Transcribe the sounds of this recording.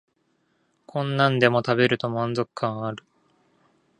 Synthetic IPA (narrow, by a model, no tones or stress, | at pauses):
kʰõ̞nːãnd̪e̞mo̞t̪abe̞ɾɯ̟t̪o̞mãnzo̞kɯ̟̥kʰãɰ̃aɾɯ̟